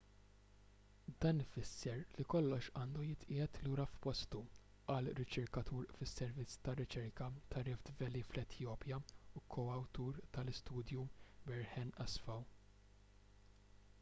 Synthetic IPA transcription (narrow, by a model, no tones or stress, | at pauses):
d̪ɐːnfɪsːɛɾlikɔlːɔʃɐːnd̪ujɪt̪ʔɪːɛt̪luːɾɐfpɔst̪u | ɐlɾɪt͡ʃɛɾkɐt̪ʰuːɾfɪsːɛɾvɪt͡sːt̪ɐɾɪt͡ʃɛɾkɐt̪ʰɐɾɪfd̪vɛlːiflɛt̪ʰjɔːpjɐukʰɔɐwt̪uːɾt̪ɐlɪst̪uːd̪jubɛɾhɛnɐsfɐw